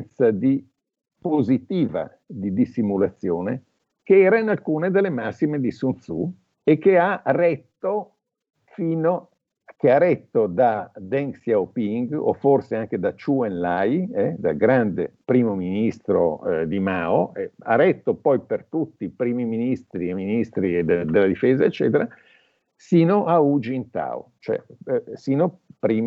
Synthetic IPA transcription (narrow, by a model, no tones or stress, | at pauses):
nt̪sad̪i | pozit̪iːva̰ | d̪id̪isimulat̪sːjoːne | keɛːɾainalkuːned̪elːemasːimed̪isunt̪sṵ | ekːearɛt̪ːo | fiːno | keaɾɛt̪ːod̪ad̪ɛŋsjaopiŋɡo̰forseaŋk̟ed̪at͡ʃuenlajɛd̪a̰lɡɾand̪epɾiːmominist̪ɾo̰d̪imaoea̰rɛt̪ːopɔjpert̪ut̪ːipɾiːmiminist̪ɾieminist̪ɾid̪ed̪elːad̪ifeːzaet͡ʃːɛ̰ːt̪eɾa | siːnoʔaud͡ʒint̪a̰o̰t͡ʃoɛ̰siːnopɾiːm